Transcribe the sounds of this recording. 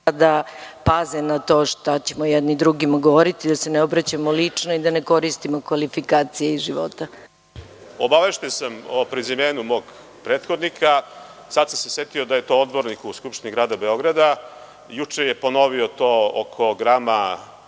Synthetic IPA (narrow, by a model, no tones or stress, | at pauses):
ad̪apazenat̪o̞ːʂt̪at͡ɕe̞mojɛd̪nid̪ɾuɡimaɡoʋoɾit̪id̪aseneobɾat͡ɕamolit͡ʂnoid̪ane̞ko̞ɾist̪imokʋalifikaːt̪sijeiʒiʋo̰t̪a | obaʋe̞ʃt̪ensamopɾizimeːnumo̞ːɡ | pɾeːt̪xod̪nikʰa | sad̪samseset̪iod̪aje̞t̪o̞od̪bo̞ɾnikuskupʃt̪iniɡɾaːd̪abeo̞ɡɾad̪a | jut͡ʂejepono̞ʋiot̪oːokʰoɡɾama